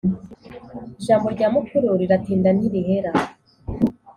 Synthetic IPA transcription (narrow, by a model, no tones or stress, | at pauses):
iʒaːmbo̞ɾɟaːmukuɾuɾiɾatiːndaniɾihe̞ɾa